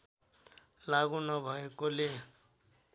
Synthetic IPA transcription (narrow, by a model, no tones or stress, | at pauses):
laɣunʌbʱʌekole